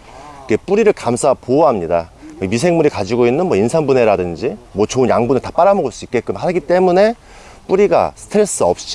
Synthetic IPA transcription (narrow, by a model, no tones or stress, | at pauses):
kep͈uɾiɾɯɭkamsʰapoɦamɲidaemisʰe̞ŋmuɾikad͡ʑiɡoinːɯnmwʌinsʰanbune̞ɾadɯnd͡ʑimwʌt͡ɕoɯnjaŋbunɯɭtḁp͈aɾamoɡoɭs͈uik͈e̞k͈ɯmhaɡit͈e̞mune̞ | p͈uɾiɡa̰sʰɯ̥tʰɾe̞s͈ɯʌp̚t͡ɕ͈